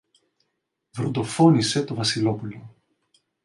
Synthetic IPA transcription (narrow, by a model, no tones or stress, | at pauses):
vɾond̪o̞fo̞nise̞t̪o̞vɐsilo̞pulo